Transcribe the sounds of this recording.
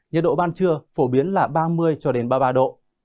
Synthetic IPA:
ɲə˨˩t̚ɗo̰˧˨ɓaː˧nt͡ɕɨ˧əfo˧˩ɓi˨˦ənlaː˨˩ɓaː˧mɨ˧əjt͡ɕɔ˧ɗe˨˦nɓaː˧ɓaː˧ɗo̰˧˨

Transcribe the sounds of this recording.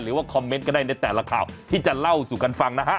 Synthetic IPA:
jɾɯː˨˦waː˥˩kʰɔ˧mːe˦˥nkɔ˧ndaː˥˩jna˧jt̪ɛː˨˩la˧kʰaː˨˩wt̪ʰiː˥˩t͡ɕa˨˩la˥˩wsuː˨˩ka˧nfa˧ŋna˦˥kʰa˦˥

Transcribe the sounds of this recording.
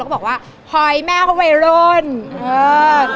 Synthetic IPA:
bɔ˨˩waː˥˩ | pʰɔ˧jmaː˥˩˦wa˧jɾo˦˥˩nʔɤː˧˩

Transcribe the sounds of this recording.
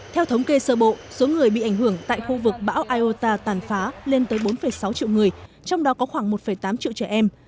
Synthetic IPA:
t̪ʰɛ˧wt̪ʰə˨˦wŋ͡mke˧səː˧˩ɓo̰˧˨so˨˦ŋɨ˨˩əjɓḭ˧˨ʔa˧˩ŋ̟hɦɨ˧˩əŋt̪a̰ː˧˨jxu˧vɨ˨˩k̚ɓa̰ː˧˥wʔaː˧jʔo˧t̪aː˧t̪aː˧˩nfaː˨˦le˧nt̪əː˨˦jɓo˨˦nfə˧˩jsa˨˦wt͡ɕḭ˧˨wŋɨ˨˩əj | t͡ɕɔ˧wŋ͡mɗɔ˨˦kɔ˨˦xwaː˧˩ŋmo˨˩t̚fə˧˩jt̪aː˨˦mt͡ɕḭ˧˨wt͡ɕɛ˧˩ʔɛ˧m

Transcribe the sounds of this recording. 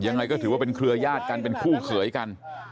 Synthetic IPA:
ja˧ŋːa˧jkɔː˥˩t̪ʰɯ˩˦wa˥˩pe˧nkʰɾɯ˧ɐjaː˥˩t̪̚ka˧npe˧nkʰuː˥˩kʰɯ˩˦əjka˧n

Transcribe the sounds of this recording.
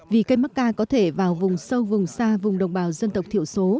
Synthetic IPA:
vi˨˩kə˧jma˦˥t̚kaː˧kɔ˨˦t̪ʰe˧˩vaː˨˩wvʊ˨˩ŋ͡msə˧wvʊ˨˩ŋ͡msaː˧vʊ˨˩ŋ͡mɗə˨˩wŋ͡mɓaː˨˩wzə˧nt̪ə˨˩k͡p̚t̪ʰḭ˧˨əwso˨˦

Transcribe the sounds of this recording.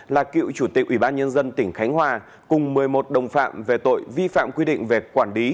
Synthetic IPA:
laː˨˩kḭ˧˨wt͡ɕu˧˩t̪ï˨˩k̚ʔwi˧˩ɓaː˧nɲə˧nzə˧nt̪ï˧˩ŋ̟xa˨˦jŋ̟ɦwaː˧˩ | kʊ˨˩ŋ͡mmɨ˨˩əjmo˨˩t̚ɗə˨˩wŋ͡mfa̰ː˧˨mve˨˩t̪o̰˧˨jvi˧fa̰ː˧˨mkwi˧ɗḭ̈˧˨ŋ̟ve˨˩kwaː˧˩nli˨˦

